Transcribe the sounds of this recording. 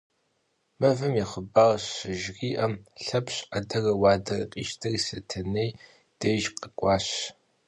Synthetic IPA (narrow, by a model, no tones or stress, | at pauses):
mɐvɨmjiχəbaːrɐɕɪʒriːʔɐmɬɐpɕʷʼɐdɐrɐwɑːdɐrɐ̰qʼḭːʃtʰɐrisɐtʰɐnej | d̥eʒqʼɐkʷʼɑːɕ